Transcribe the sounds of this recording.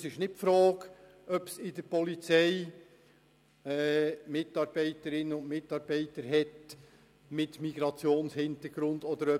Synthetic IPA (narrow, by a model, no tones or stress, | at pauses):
sɪʃnɪt̚fɾɔːɡ | ʔœpsɪd̪əɾpɔlit͡sɛɪ | ɛːmɪtɑːɾb̥ɛɪtəɾɪnənʊntmɪtːɑːɾbɛɪtəɾɦɛt | mɪtmiɡɾɑt͡sjoːnshɪnt̪əɾɡɾʊndɔd̪əɾœ